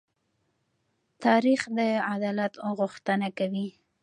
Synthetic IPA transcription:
t̪ɑɾixd̪əad̪ɑlat̪ɣʊxt̪ənakawi

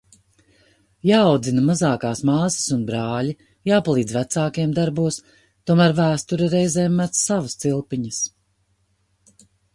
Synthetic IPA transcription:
jaːwd̪zinamazaːkaːsmaːsɪ̥sunbɾaːli | jaːpalˠiːd̪zvæt̪saːkajɛmd̪aɾbuɔs | t̪uɔmæːɾvæːst̪uɾaɾɛjzɛːmːæt̪ssavɐst̪silˠpiɲəs

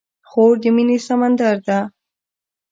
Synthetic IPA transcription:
xoɾd̪ɪminisamand̪aɾd̪a

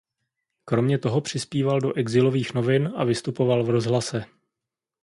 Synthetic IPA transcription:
kɾo̞mɲɛt̪o̞ɦo̞pr̝̥ɪspiːvaldo̞ʔɛɡzɪlo̞viːxno̞vɪnʔavɪst̪upo̞valvɾo̞zɦlasɛ

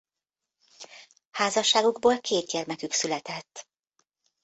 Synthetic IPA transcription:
haːzɒʃːaːɡuɡboːlkʰeːt̪̚ɟɛrmɛkyksylɛt̪ɛt̪ː

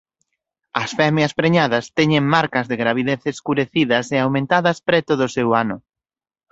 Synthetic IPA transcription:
ɐsfɛmjɐspɾeɲaðɐst̪ɛɲeŋmaɾkɐzðeɣɾaβ̞iðeθeskuɾeθiðɐseawmẽnt̪aðɐspɾɛt̪oðʊsewanʊ

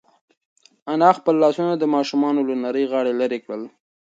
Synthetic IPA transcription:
anɑxpəlːɑsunad̪əmɑʃumɑnolʊnaɾəjɣɑɽeləɾekɽəl

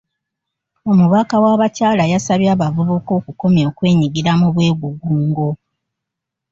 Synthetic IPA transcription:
o̞muβakawaβacaːlajasaβjaːβavuβuko̞ːkuko̞mjo̞ːkwe̞ːɲiɡiɾamuβwe̞ːɡuɡuːŋɡo̞

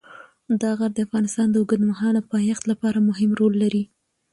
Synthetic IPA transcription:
d̪ɑɣaɾd̪əafɣɑnɪst̪ɑnd̪əʊɡəd̪maɦɑlapɑjɑxt̪lapɑɾamʊɦɪmɾolːaɾi

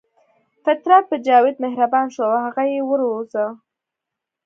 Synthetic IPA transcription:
fat̪ɾɑt̪̚pəd͡ʒɑwɪd̪mɪhɾabɑnʃoawhaɣajewəɾozəw

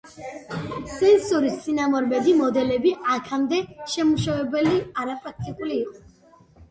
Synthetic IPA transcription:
sɛnsɔɾist̪sʼinamɔɾmɛd̪imɔd̪ɛlɛbiakʰamd̪ɛʃɛmuʃavɛbɛliaɾapʼɾak̚ʰt̪ʼikʼuliːqʼɔ

